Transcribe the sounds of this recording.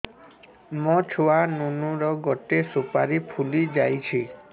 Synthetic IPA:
mɔt͡ʃʰoanunuɾɔɡɔʈesopaɾipʰulid͡ʒajt͡ʃʰi

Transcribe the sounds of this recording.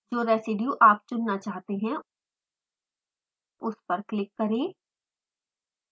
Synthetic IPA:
d͡ʒoːɾɛːsɪɖjuʔaːp̚t͡ʃʊnːat͡ʃaːɦt̪eɦɛ̃ | ʊspɐɾklɪkːɐɾẽː

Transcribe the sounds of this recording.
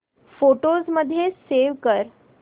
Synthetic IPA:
foʈozməd̪ʱːjeseʋkəɾ

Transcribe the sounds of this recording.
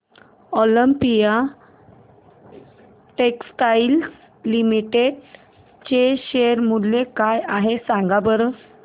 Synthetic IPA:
ɔləmpija | ʈeksʈail | limiʈeɖ | t͡ɕeɕeɾmuɽlekajaɦesãŋɡabəɾə

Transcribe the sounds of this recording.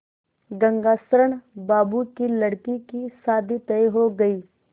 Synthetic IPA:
ɡɐ̃ŋɡaːsɾəɳbaːbukilɐɽkikisaːd̪ʱit̪əeɦoɡɐiː

